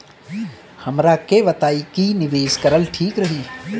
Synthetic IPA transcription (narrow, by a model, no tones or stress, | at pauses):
hɐmɾakeʋɐt̪aːikinɪʋeːskɐɾəlʈʰiːkɾɐɦiː